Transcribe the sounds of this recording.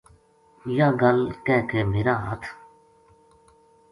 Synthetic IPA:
jaɡɐlkɛːkemɪɾaːat̪ʰ

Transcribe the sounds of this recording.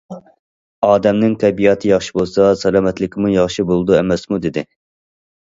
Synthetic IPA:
ɑːd̪ɛmnɪŋt̪ʰɛbijɑt̪ʰɨjɑχʃi̥bolˠsɑsɛlˠɑːmɛt̪lɪkʲɪmujɑχʃibolˠd̪uɛmɛsmud̪ɪd̪ɪ

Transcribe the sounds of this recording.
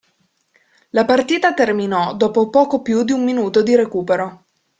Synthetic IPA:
lapart̪iːt̪at̪erminɔd̪oːpopɔːkopjud̪iumːinuːt̪od̪iɾekuːpeɾo

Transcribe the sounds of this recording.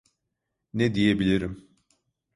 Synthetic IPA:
nɛd̪ijebilʲiɾim

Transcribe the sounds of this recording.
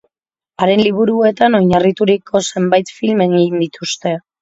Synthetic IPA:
aɾe̞nliβ̞uɾue̞t̪ano̞jɲarit̪uɾikʰo̞se̞mbajt̪filme̞ŋɡejnd̪it̪ust̪e̞

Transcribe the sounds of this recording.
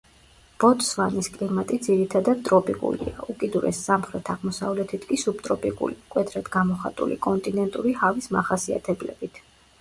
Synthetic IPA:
b̥ɔt̪ʼsvaniskʼlimat̪ʼid̪ziɾit̪ʰad̪ad̪̚t̪ʼɾɔpʼikʼṵlḭa̰ukʼid̪uɾɛ̰sːamχɾɛt̪ʰaʁmɔsavlɛt̪ʰit̪ʰkʼisubt̪ʼɾɔpʼikʼṵlikʼwɛd̪ɾad̪ɡamɔχa̰t̪ʼṵlḭkʼɔnt̪ʼinɛnt̪ʼuɾihavismaχasia̰t̪ʰɛblɛ̰bit̪ʰ

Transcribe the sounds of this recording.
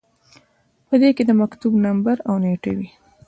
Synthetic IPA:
pəd̪eked̪əmakt̪ubnambaɾawneʈḛwi

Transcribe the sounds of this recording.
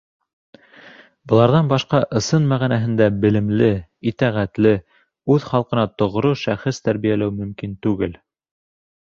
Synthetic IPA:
bɤ̆lˠɑɾðɑnbɑʃqɑʔɤ̆sɤnmæʁænæɦɘ̆nd̪æbɘ̆lɘ̆mlɘit̪æʁæt̪lɘ | ʉðχɑlˠqɤ̆nɑt̪ŏʁɾoʃæχɘst̪æɾβijælæwmɵ̆mkint̪ʉɡɘl

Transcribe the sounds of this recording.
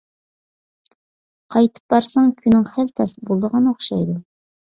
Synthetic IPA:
qʰɑjt̪ʰə̥p̚b̥ɑɾsɑŋkʲʰynːɪŋχælt̪ʰɛsɪbolˠd̪əʁɑnoχʃɑjd̪u

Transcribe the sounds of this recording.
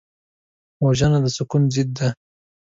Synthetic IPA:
waʒanad̪əsʊkunzɪd̪ːa

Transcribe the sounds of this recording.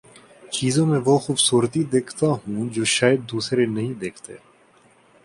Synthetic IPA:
t͡ʃiːzõmẽʋoxuːbsuːɾət̪id̪eːkʰt̪aɦũd͡ʒoːʃaːjəd̪̚ːuːsɾenɐɦĩd̪eːkʰt̪ḛː

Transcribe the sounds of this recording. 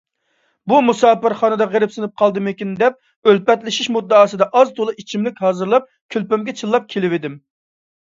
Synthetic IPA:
bumusɑːpɨɾχɑːnɨd̪ɑʁeɾɪpsɨnɨp̚qʰɑlˠd̪ɨmɪkʲind̪ɛp̚ | ølpɛt̪lɪʃiʃmud̪ːɑːsɨd̪ɑʔɑzt̪ʰolˠɨit͡ʃʰimlɪkʲɦɑːzɨɾlˠɑp̚ | kʲʰølpɛmɡʲɛt͡ʃʰɨlˠːɑp̚kʲʰelɪvɪd̪ɪm

